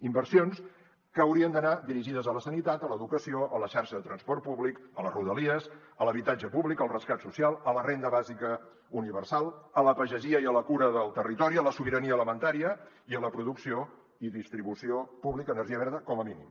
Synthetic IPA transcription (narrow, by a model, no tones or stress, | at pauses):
imbəɾsions | kəːwɾiənd̪ənad̪iɾiʒiðəzələsənit̪at̪ələðukəsioʔələʃaɾʃəðət̪ɾənspɔɾrt̪̚puβlikələzruðəliəz | ələβit̪ad͡ʒəpuβlikəlˠrəskat̪susialˠələrend̪əβazikə | uniβərsalˠələpəʒəʒiəiələkuɾəðəlˠt̪ərit̪ɔɾiələsuβiɾəniələmənt̪aɾiə | iələpɾuðuksio | iðist̪ɾiβusiopuβlikəːnəɾʒiəβɛɾðəkɔməminḭm